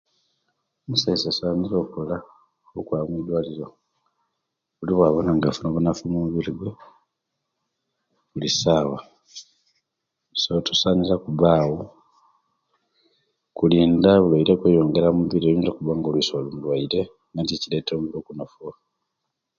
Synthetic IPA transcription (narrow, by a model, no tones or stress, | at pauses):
musaisasaːɲiɾo̞ːkola | ukwaːmwid̪waːliɾo | βuliβwaβonaŋɡafunoβunafumuβiliɡwe | βulisaːwa | sotosaːniɾakuβaːwo | kuliːndaβulwaiɾekwejo̞ːŋɡeɾamuβiɾioβinzakuβaːŋɡolwisolumulwaiɾe | ŋɡanticiletomuβiɾoːkunafuwa